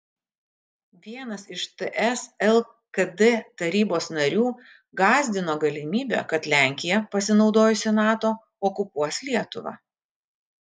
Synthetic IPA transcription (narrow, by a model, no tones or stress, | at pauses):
ʋʲiɛnɐsɪʃt̪ɛʔɛsɛlˠ | kɐd̪ɛt̪ɐɾʲiːboːsnɐɾʲuː | ɡɑːzʲd̪ʲɪnoːɡɐlʲɪmʲiːbʲɛ̰ːkɐt̪lʲæˑŋʲkʲɪjɛpɐsʲɪnɒʊd̪oːjʊsʲɪnɑːt̪oː | ɔkʊpuɔsʲlʲiɛt̪ʊʋɑ̰ː